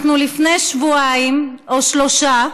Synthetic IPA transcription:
nulifnejʃvuaim | oʃlo̞ʃa

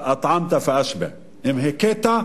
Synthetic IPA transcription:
ʔɑt̪ˤʕɑmt̪afiʔaʃbɪ̰ʕ | ʔɪmɦekeːt̪a

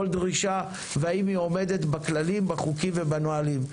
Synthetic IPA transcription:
oldʁiʃa | veaimio̞me̞d̪e̞t̪baklalimbaχukimvebanoalim

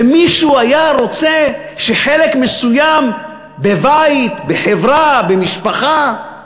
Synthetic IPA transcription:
miʃuajaʁo̞t͡se | ʃeħelekmesujam | bebait̪beħevʁabemiʃpaχa

